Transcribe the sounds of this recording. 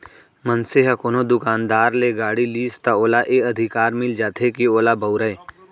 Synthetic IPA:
mɐnseɦɐkoːnod̪ʊkaːnd̪aːɾleɡaːɽiliːst̪aoːlaʔeɐd̪ʱɪkaːɾmɪld͡ʒaːt̪ʰekioːlabɐʊɾəe

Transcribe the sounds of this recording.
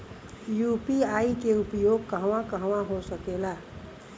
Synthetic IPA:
jupiaikeupjoɡ̚kəɦʋãkəɦʋãɦosəkela

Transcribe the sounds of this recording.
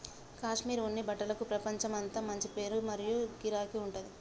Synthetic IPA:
kaːʂmiːɾunːibɐʈːɐlɐkupɾɐpɐɲt͡ʃɐmɐnt̪ɐmɐɲt͡ʃipe̞ːɾumɐɾijuɡiɾaːkiuɳʈɐd̪i

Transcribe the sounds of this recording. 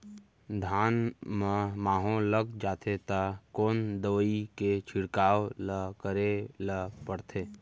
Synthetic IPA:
d̪ʱaːnmə̃maːɦõləɡd͡ʒaːt̪ʰet̪akoːnd̪əʋəiket͡ʃʰɪɽkaːwləkəɾeləpəɽt̪ʰeː

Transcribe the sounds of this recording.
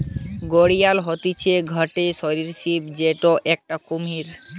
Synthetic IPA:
ɡoɽijalɦɔt̪it͡ɕʰeɡʱɔʈeʃɔɾiɾsipd͡ʑeʈoʔɛk̚ʈakomiɾ

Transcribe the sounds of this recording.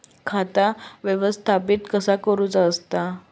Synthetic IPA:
kʰat̪aʋjeʋəst̪ʰapiːt̪kəsakəɾuːt͡səst̪a

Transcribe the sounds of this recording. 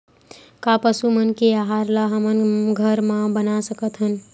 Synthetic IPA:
kapəsumənkeaɦaɾlaɦəmənɡʱəɾmãbənasəkət̪ɦən

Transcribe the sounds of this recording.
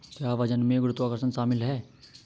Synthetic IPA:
kjaːʋɐd͡ʒənmẽɡɾʊt̪ʋaːkəɾsənʃaːmɪlɦɛː

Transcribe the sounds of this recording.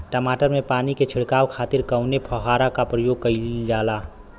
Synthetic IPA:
ʈəmaːʈəɾmẽpaːniket͡ʃʰɪɽkaːwkʰaːt̪iɾkəʊnepʰəɦaːɾakapɾəjoɡ̚kəɪd͡ʒaːla

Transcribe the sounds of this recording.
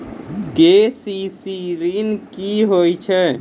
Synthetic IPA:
ɡesisiɾinkiɦojt͡ʃʰɛ

